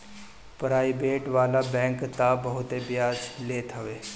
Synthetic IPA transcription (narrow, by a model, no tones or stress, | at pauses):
pɾaːɪbeːʈʋaːlabɛ̃ːŋkt̪abɐɦʊt̪ebjaːd͡ʒleːt̪ʰɐʋeː